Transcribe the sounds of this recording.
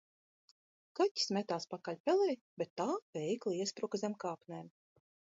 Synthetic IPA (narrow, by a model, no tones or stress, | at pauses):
kacʲi̥smʲɛt̪aːspakalʲpʲɛlɛj | bʲet̪ːaːvʲɛjklˠiɛspɾukazʲɛmkaːpnʲɛm